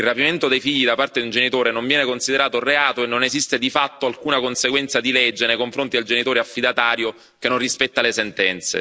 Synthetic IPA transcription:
ilrapiment̪od̪ejfiʎːid̪apart̪ed̪iund͡ʒenit̪oːɾenoɱvjɛːnekonsid̪eɾaːt̪oreaːt̪oenːonezist̪ed̪ifat̪ːoalkuːnakonseɡwɛnt̪sad̪ilɛd͡ʒːenejkoɱfɾont̪id̪eld͡ʒenit̪oːɾeafːid̪at̪aːɾjo | kenːonrispɛt̪ːalesent̪ɛnt̪sḛ

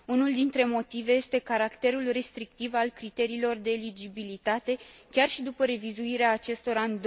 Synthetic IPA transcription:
unuld̪int̪ɾe̞mo̞t̪ive̞je̞st̪e̞kaɾakt̪e̞ɾulre̞st̪ɾik̚t̪ivalkɾit̪e̞ɾiːlo̞rd̪e̞ːlid͡ʒibilit̪at̪e̞kʲarʃid̪upəɾe̞vizuiɾeaːt͡ʃe̞st̪o̞ɾanʲd̪

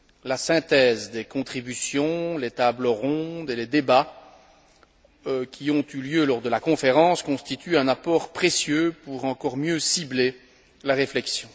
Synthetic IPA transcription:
lasɛ̃t̪ɛzd̪ekɔ̃t̪χibysjɔ̃let̪abləʁɔ̃d̪eled̪eba | kʲʰiɔ̃t̪yljølɔʁd̪əlakɔ̃feʁɑ̃skɔ̃st̪it̪yɛ̃napɔːʁpχesjøpuʁɑ̃kɔʁmjøsible | laʁeflɛksjɔ̃

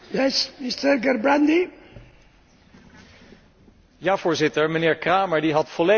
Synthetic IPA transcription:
jɛsmist̪əɾɡɛɾbɾãnd̪i | jaːvʊːɹzɪtəɹmənɪːɹkraːməɹdiɦɑtfɔle

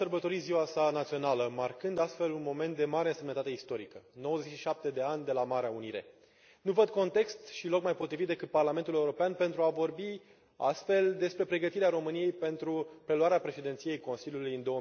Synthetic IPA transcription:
ərbət̪o̞ɾiziwasanat̪sio̞naləmarkɨnd̪ast̪fe̞lunmo̞me̞nt̪̚d̪emaɾeɨnse̞mnət̪at̪eist̪o̞ɾikəno̞wəzet͡ʃʃiʃap̚t̪e̞d̪e̞anʲd̪e̞lamaɾeauniɾe̞̰ | nuvəd̪̚ko̞nt̪e̞kst̪ʃilo̞kmajpot̪ɾivit̪d̪e̞kɨt̪̚parlame̞nt̪ule̞uɾo̞peanpe̞nt̪ɾuavo̞rbi | a̰st̪fe̞ld̪e̞spɾe̞pɾe̞ɡət̪iɾeaɾo̞mɨnije̞jpe̞nt̪ɾupɾe̞luaɾeapɾe̞ʃed̪ent̪sije̞jko̞nsilʲjulujɨnd̪o̞ə

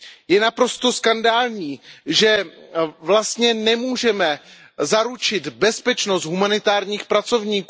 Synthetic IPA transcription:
jɛnapɾo̞st̪o̞skandaːlɲiːʒɛvlast̪ɲɛnɛmuːʒɛmɛ | zaɾut͡ʃɪt̪bɛspɛt͡ʃno̞st̪ɦumanɪt̪aːɾɲiːxpɾat͡so̞vɲiːk

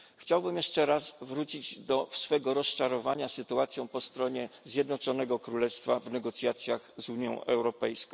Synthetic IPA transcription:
xt͡ɕawbɘmjɛʂt͡ʂɛɾasvɾut͡ɕid͡ʑd̪ɔfsfɛɡɔɾɔst͡ʂaɾɔvaɲasɘt̪uat̪sʲjɔ̃w̃pɔst̪ɾɔɲɛzʲjɛd̪nɔt͡ʂɔnɛɡɔkɾulɛst̪favnɛɡɔt̪sʲjat̪sʲjaɣzuɲjɔ̰̃ʔɛwɾɔpɛjskɔ̃

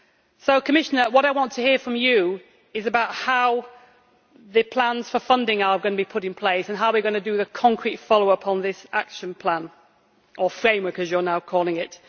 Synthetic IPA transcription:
soʊkʰəmɪʃənəwɒɾaɪwɒ̃ntʰəhiəfɹə̃mjə | ɪzəbaʊt̚haʊ | ðɨpʰl̥ãnz̥fəfʌ̃ndɪ̃ŋəəɡʌnəbipʰʊɾɪ̃npʰl̥eɪsə̃nɦaʊwɨɡʌnədəðəkʰɒ̃ŋkʰɹ̥itfɒloʊʌpʰn̩ðɪsakʃə̃npʰl̥ãn | ʔəfɹẽɪ̃mwɜ˞kəzjə˞naʊkʰɔːlɪ̃ŋɪt

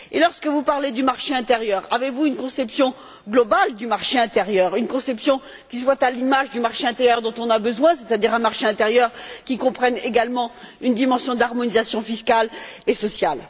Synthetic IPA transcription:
ḛlɔʁskəvupaʁled̪ymaʁʃeɛ̃t̪eʁjœʁavevuynkɔ̃sɛpsjɔ̃ | ɡlɔbald̪ymaʁʃeɛ̃t̪eʁjœʁynkɔ̃sɛpsjɔ̃ | kʲiswat̪alimaʒd̪ymaʁʃeɛ̃t̪eʁjœʁd̪ɔ̃t̪ɔ̃nabəzwɛ̃set̪ad̪iʁɛ̃maʁʃeɛ̃t̪eʁjœʁkʲikɔ̃pχɛneɡalmɑ̃ynd̪imɑ̃sjɔ̃d̪aʁmɔnizasjɔ̃fiskalesɔsjal

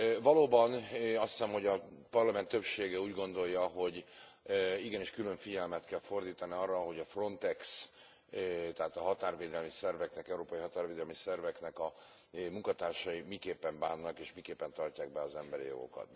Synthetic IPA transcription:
vɒloːbɒnɒst̪ɛmho̞ɟɒpɒrlɒmɛnt̪ːø̞pʃeːɡɛuːɟɡo̞nd̪o̞jːɒɦo̞ɟ | iɡɛniːʃkylø̞ɱfiɟɛlmɛt̪kɛlfo̞rd̪iːt̪ɒniɒrːɒɦo̞ɟɒfro̞nt̪ɛks | t̪ɛɦaːt̪ɒɦɒt̪aːrveːd̪ɛlmisɛrvɛknɛkɛuɾoːpɒjiɦɒt̪aːrveːd̪ɛlmisɛrvɛknɛkɒ | muŋkɒt̪aːrʃɒimikeːpːɛɱbaːnːɒkeːʃmikeːpːɛnt̪ɒrcaːɡ̚bɛɒzɛmbɛɾḭjo̞̰ɡo̞̰kɒ̰t̪

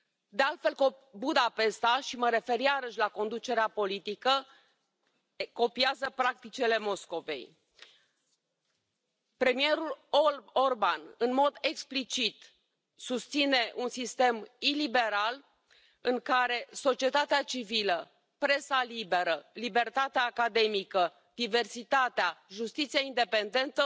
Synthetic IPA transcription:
d̪e̞alt̪fe̞lkobud̪ape̞st̪aʃiməɾe̞fe̞ɾiaɾəʃʲlako̞nd̪ut͡ʃe̞ɾeapo̞lit̪ikə | ko̞piazəpɾak̚t̪it͡ʃele̞mo̞sko̞ve̞̰j | pɾe̞mije̞ɾuloorbanɨnmo̞d̪e̞ksplit͡ʃit̪ | sust̪sine̞ʔunsist̪e̞milibe̞ɾal | ɨŋkaɾe̞so̞t͡ʃie̞t̪at̪eat͡ʃivilə | pɾe̞salibe̞ɾəlibe̞rt̪at̪eaːkad̪e̞mikə | d̪̥ive̞rsit̪at̪eaʒust̪it̪sijaind̪e̞pe̞nd̪e̞nt̪ə

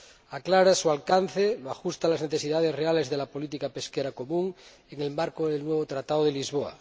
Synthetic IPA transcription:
aklaɾasualkan̟θeloaxust̪alazneθesiðaðe̞srealezðelapo̞lit̪ikapeskeɾako̞mũŋ | eŋe̞lmaɾkoðelnweβ̞ot̪ɾat̪aðoð̞elizβoa̰

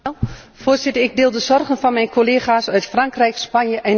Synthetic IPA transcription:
foːsɪtərɪɡ̚dɪːlˠdəzɔrɣənfɔnmɛjnkʰoleːxaːsœɥtfraŋkrɛjkspanjəʔɛn

